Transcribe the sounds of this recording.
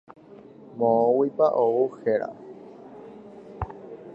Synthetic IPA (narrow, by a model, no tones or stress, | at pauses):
mõõwipaʔouxeɾa̰